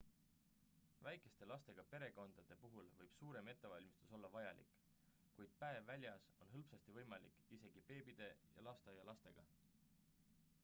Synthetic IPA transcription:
væjkˑe̞st̪e̞lɑst̪e̞ɡ̥ɑpe̞ɾe̞ko̞nd̪̥ɑd̪̥e̞puɦulvɤjb̥suːɾe̞me̞t̪ˑːe̞vɑlʲmist̪u̥so̞lːɑvɑjɑlḭkˑ | kujd̪̥̚pæevːælʲjɑso̞nɦɤlpsɑst̪ivɤjmɑlikise̞ɡ̥ipe̞ːbid̪̥e̞jɑ̰lɑst̪ejɑlɑst̪e̞ɡ̥ɑ

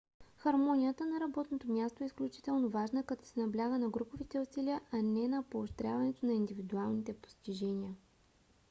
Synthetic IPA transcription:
xɐɾmɔnʲijət̪ənɐɾɐbɔt̪not̪omʲjast̪oɛisklʲut͡ʃi̥t̪ɛlˠnovaʒnəkɐt̪ɔ̥sɛnɐblʲaɡənɐɡɾupovit̪ɛʊsiliəʔɐnɛnɐpoːʃt̪ɾʲjavɐnɛt̪onɐind̪ivid̪ualˠnit̪ɛpo̥st̪iʒɛniə

